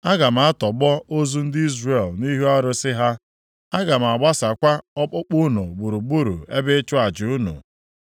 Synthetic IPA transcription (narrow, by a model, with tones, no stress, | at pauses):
a˦ɡa˨m̩˨a˦tɔ˨ɡ͡bɔ˦o˦zu˦n̩˦dɪ˦i˦zre˨lni˦ɦu˦a˦ɾʊ˦sɪ˦ɦa˦ | a˦ɡa˨m̩˨a˨ɡ͡ba˦sa˨kʷa˦ɔ˦k͡pʊ˦k͡pu˦nṵ˨ɡ͡bu˨ɾu˨ɡ͡bu˦ɾṵ˨e˦be˦t͡ʃʊ˦a˨d͡ʒɪ˨u˦nṵ˨